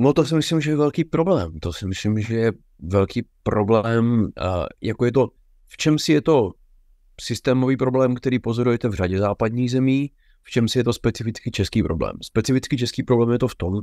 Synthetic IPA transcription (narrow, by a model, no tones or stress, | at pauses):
not̪osɪmɪslɪmʒɛjɛvɛlkiːpɾo̞blɛːmt̪osɪmɪslɪmʒɛjɛ | vɛlkiːpɾoblɛːm | jakojɛt̪̬o̞ | ft͡ʃɛmsɪjɛt̪o̞ | sɪst̪ɛːmoviːpɾo̞blɛːmkt̪ɛɾiːpo̞zo̞ɾujɛt̪ɛvr̝aɟɛzaːpad̪ɲiːɣzɛmiː | ft͡ʃɛmsɪjɛt̪o̞spɛt͡sɪfɪt͡skɪt͡ʃɛskiːpɾoblɛ̰ːmspɛt͡sɪfɪt͡skɪt͡ʃɛskiːpɾo̞blɛːmjɛt̪oft̪om